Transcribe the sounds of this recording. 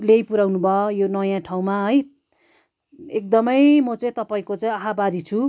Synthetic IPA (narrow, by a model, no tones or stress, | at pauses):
lejpuɾawnubʱʌjonʌjãʈʰaw̃maɦʌj | ek̚d̪ʌmʌjmʌt͡sʌĩt̪ʌpaĩkot͡saĩaɦabaɾit͡sʰu